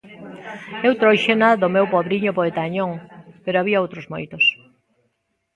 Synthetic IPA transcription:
ewt̪ɾojʃenaðʊmewpɔβɾiɲʊpoet̪aɲoŋpeɾoaβiaowt̪ɾozmo̰jt̪os

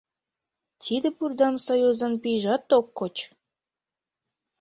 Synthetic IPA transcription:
t̪ʲid̪ɘ̆purd̪ɑmsojuzɑnpʲiʒɑt̪ːokːot͡ɕ

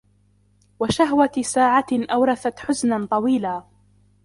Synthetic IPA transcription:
waʃaɦwasaːʕaʔawɾˤɑθat̪ħʊsnant̪ˤɑwiːlaː

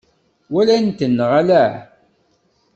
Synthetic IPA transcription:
wælænt̪ənːʁalæ

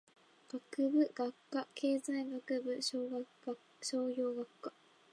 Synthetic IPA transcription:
ɡ̥akɯ̟bɯ̟ɡ̥akːakʰe̞ːzaiɡakɯ̟bɯ̟ɕoːɡa | a | ɕo̞ːjo̞ːɡakːa

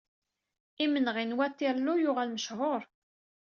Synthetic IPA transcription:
imənʁinwæt̪ːiɾlujʊʁælməʃhoɾˤ

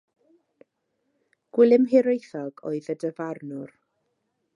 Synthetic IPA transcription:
ɡ̥wɪlˠɪmɦɪɾejθɔɡo̰ɨðədəvarnʊr

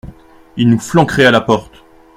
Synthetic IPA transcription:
ilnuflɑ̃kχɛalapɔʁt̪

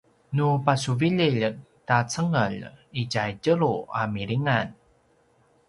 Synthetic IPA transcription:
nupas̬uviʎiʎtat͡səŋəʎiɟajɟəɾua̰miɾiŋan

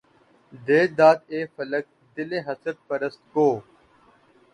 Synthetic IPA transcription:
d̪eːd̪aːt̪eːfələk̚ | d̪ɪleːɦəsət̪̚pəɾəst̪̚koː

